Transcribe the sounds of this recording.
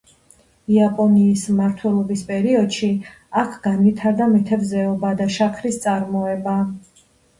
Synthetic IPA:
iapʼɔniːsmaɾt̪ʰwɛlˠɔbispʼɛɾiɔd̪̥ʃi | akʰɡanvit̪ʰaɾd̪amit̪ʰɛvzɛɔbad̪aʃakʰɾist̪sʼaɾmɔɛba

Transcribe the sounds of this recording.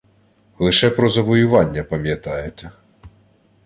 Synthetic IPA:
lˠɪʃɛpɾɔzɐʋɔjʊʋɑnʲːɐpɐmʲjɐt̪ɑjet̪ʲɐ

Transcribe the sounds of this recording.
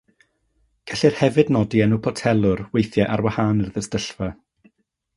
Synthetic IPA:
ɡ̥aɬɪr̥hɛvɨdnɔdiɛnupʰɔtʰɛlˠʊrwejθjɛʔarwahaːnərðəstəɬvɛ

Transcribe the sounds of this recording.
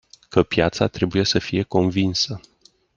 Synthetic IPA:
kəpjat̪sat̪ɾe̞buje̞səfije̞ko̞nvinsə

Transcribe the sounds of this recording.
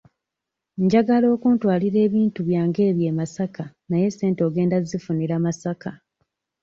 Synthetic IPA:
ɲɟaɡalo̞ːkuntwaːliɾe̞ːβiːntuβjaːŋɡe̞ːβje̞ːmasaka | naje̞se̞ːntoːɡe̞ːndazifuniɾamasaka

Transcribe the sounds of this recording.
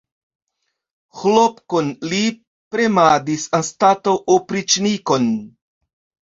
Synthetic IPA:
xlopkonli | pɾemad̪isanstatoʔopɾit͡ʃniko̞n

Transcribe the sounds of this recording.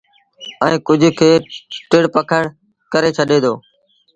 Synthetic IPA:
ɛ̃ːkʊd͡ʒʱkʰeːʈɪɽpəkʰəɽ | kəɾeːt͡ʃʰəɗeːd̪oː

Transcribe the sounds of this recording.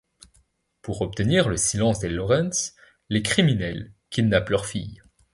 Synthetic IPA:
puʁɔp̚t̪əniʁləsilɑ̃sd̪elɔʁɛ̃nsː | ekχiminɛlkʲinaplœʁfḭj

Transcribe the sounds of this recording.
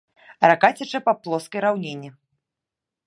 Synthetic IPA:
ɾakat͡sʲɐt͡ʂɐpaplˠɔskɐjɾawnʲenʲːi

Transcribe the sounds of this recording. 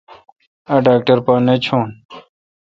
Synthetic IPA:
ɐɖaːk̚ʈɐɾpaːnet͡ɕʰoːn

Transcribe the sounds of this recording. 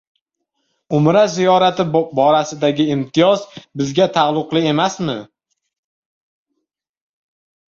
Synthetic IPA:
ʊmɾazijɒɾat̪ʰɪbɒɾasɪd̪aɡʲɪɪmt̪ʰɪjɒzbɪzɡʲat̪ʰaʁlˠʊqlˠɪe̞masmɪ

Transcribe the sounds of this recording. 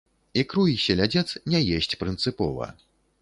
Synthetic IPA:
ikɾujisʲɛlʲad͡zʲɛt̪snʲɛjɛsʲt͡sʲpɾɨnt̪sɨpɔvɐ̰

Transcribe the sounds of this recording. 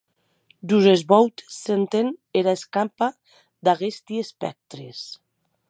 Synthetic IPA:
d͡ʒuzezβɔwt̪sent̪eneɾaeskampa | d̪aɣest̪iespɛ̰k̚t̪ɾes

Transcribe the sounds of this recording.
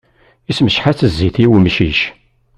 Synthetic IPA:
isməʃħat͡sːəzːiθiwmʃiʃ

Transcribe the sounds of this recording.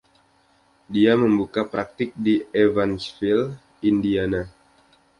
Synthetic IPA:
diaməmbukapɾak̚t̪ɪk̚dievansfil | indiana

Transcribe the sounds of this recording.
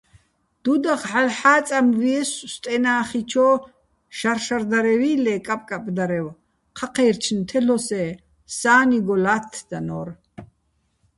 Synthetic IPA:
d̪̥ud̪aχħalħaːt͡sʼamviɛsst̪ʼɛnaːχit͡ʃʰɔː | ʃarʃard̪aɾɛviːlɛkʼapʼkʼapʼd̪aɾɛw | qʰaqʰɛjrt͡ʃʰnt̪ʰɛlɔsɛ | saːniɡɔlat̪ʰd̪̥anɔ̰r

